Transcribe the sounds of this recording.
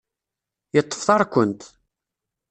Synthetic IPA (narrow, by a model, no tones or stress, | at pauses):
jət̪ˤːə̥fθɑɾˤkʷːənt̪